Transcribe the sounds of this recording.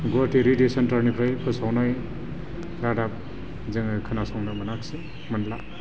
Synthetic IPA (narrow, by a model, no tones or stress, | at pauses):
ɡɔtiɾidesantaɾnipʰɾajpʰɯsawnaj | ɾadap̚ | zeŋkʰanasɔŋnɯmɐnakse | mɐnla